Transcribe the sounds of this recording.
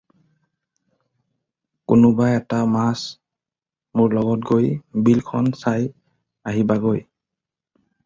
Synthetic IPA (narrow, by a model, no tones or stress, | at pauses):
kʊnʊbajɛtamas | mʊɹlɔɡɔtɡojbilkʰɔnsaj | aɦibaɡoj